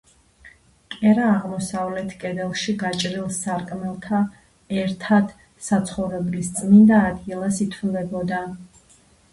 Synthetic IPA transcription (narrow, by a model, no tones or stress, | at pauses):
kʼɛɾaːʁmɔsavlɛt̪ʰkʼɛd̪ɛlˠʃiɡat͡ʃʼɾilˠsaɾkʼmɛlˠt̪ʰa | ɛɾt̪ʰad̪̥ | sat̪sʰχɔvɾɛblist̪sʼnind̪aːd̪ɡilˠasit̪ʰvulɛbɔd̪a